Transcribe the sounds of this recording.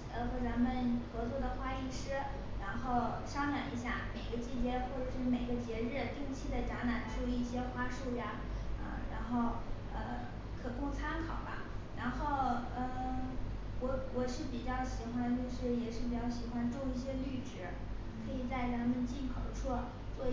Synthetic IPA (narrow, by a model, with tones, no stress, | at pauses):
xɤ˧˥t͡sa˧˥nmə˨nxɤ˧˥t͡swɔ˥˩d̪ə˩xwa˥i˥˩˧ʂɻ̩˥ | ɻa˧˥nxo˥˩ʊ | ʂɑ˥ŋnjɑ˨˩ŋḭ˧˥ɕ̬ja˥˩me˨˩ɪɡə˧˦t͡ɕi˥˩t͡ɕjɛ˥xwɔ˥˩ʈ͡ʂɤ˨˩ʂɻ̩˥˩me˨˩ɪɡə˦t͡ɕjɛ˧˥ɻɻ̩˥˩t̪i˥˧ŋt͡ɕʰi˥d̪ə˨ʈ͡ʂa˧˥na˨˩˦nʈ͡ʂʰu˥˧i˥˩ɕjɛ˥xwa˥ʂu˥˩ja˨˩ | ə̰˧ɻa̰˧˥nxo˥˩ʊ | ə̰˧ | kʰɤ˨˩kʊ˥˩ŋt͡sʰa˥nkʰɑ˨˩ʊbɐ̰˧˥ | ɻa˧˥nxo˥˩ʊə˧˩ | wɔ˧˥wɔ˨˩ʂɻ̩˥˩pi˨˩t͡ɕjɑ˥˩ʊɕi˨˧˥xwa˥nt͡ɕjo˥˧ʊʂɻ̩˥˩jɛ˨˩ʂɻ̩˥˩pi˨˩t͡ɕjɑ˥˩ʊɕi˨˩xwa˥nʈ͡ʂʊ˥˧ŋi˥˩ɕjɛ˥ly˥˩ʈ͡ʂɻ̩˧˥ | kʰɤ˧˥i˨˩t͡sa˥˩ɪt͡sa˧˥nmə˨nt͡ɕi˥˩nkʰɤ˧˥ʊʈ͡ʂʰwɔ˥˩ | t͡swɔ˥˧